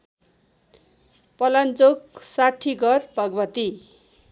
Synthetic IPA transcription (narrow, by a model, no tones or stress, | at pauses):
pʌlant͡soksaʈʰːiɡʱʌrbʱʌɡʌbʌt̪i